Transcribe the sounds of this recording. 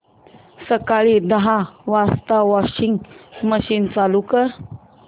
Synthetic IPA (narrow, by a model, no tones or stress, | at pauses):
səkaɭid̪əɦaʋast̪aʋɔɕiŋɡməɕiːnt͡salukə